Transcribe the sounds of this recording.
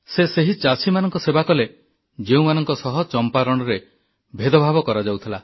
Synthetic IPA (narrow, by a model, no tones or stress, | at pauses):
seseɦit͡ʃasʰimanɔŋkɔsebakɔle | d͡ʒeũmanɔŋkɔsɔɦɔt͡ʃɔmpaɾɔɽ̃ɔɾe | bʱed̪ɔbʱabɔkɔɾad͡ʒawt̪ʰila